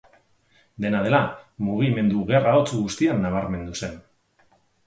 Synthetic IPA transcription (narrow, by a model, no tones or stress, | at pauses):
d̪e̞nað̞e̞lamuɣ̞ime̞nd̪uɣe̞raot͡suɣust̪ianːaβ̞aɾme̞nd̪use̞n